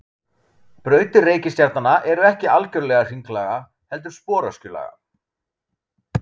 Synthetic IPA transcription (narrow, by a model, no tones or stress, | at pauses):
pɾœːɥt̪ɪreːjcɪst̪jaɾt̪nanːaʔɛɾʏɛhcɪalcœɾlɛɣar̥iŋklaɣa | hɛl̪t̪ʏɾ̥spɔːɾascʏla̰ɣa̰